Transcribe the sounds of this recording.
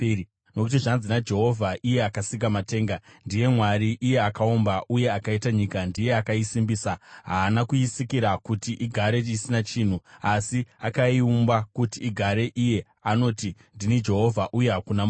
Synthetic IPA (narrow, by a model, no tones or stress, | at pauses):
nokutiʐand͡zinad͡ʒe̞ɦo̞vʱaʔije̞akasiŋɡamate̞ːŋɡandije̞mwaɾiʔije̞akaombaʔuje̞akaitaɲikandije̞akaisimbiːsaɦaːnakuisikiɾakutiʔiɡʱaɾe̞isinat͡ʃiːn̤uasiakaiumbakutiːɡʱaɾe̞ʔije̞ | ano̞ti | ndinid͡ʒe̞ɦo̞vʱaʔuje̞ɦakunam